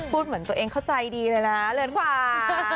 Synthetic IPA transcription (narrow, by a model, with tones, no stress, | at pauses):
pʰuː˥˩t̪̚mɯ˩˦ənt̪u˧əʔeː˧ŋkʰa˥˩wt͡ɕa˧jdiː˧lɤː˧jna˦˥lɯ˧˦nkʰwaː˨˧˩